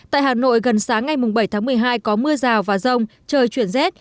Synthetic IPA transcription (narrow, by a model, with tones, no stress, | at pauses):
t̪a̰ː˧˨jhaː˨˩no̰˧˨jɣə˨˩nsaː˨˦ŋːa˨˩jmʊ˨˩ŋ͡mɓə˧˩jt̪ʰaː˨˦ŋmɨ˨˩əjɦaː˧jkɔ˨˦mɨ˧əzaː˨˩wvaː˨˩zə˧wŋ͡mt͡ɕəː˧jt͡ɕwi˧˩ənzɛ˦˥t̚